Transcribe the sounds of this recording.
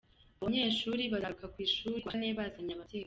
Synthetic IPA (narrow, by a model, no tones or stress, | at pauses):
aβaɲe̞ːʃuːɾiβazɾukakwiːʃuːɾiwaneβazaɲamate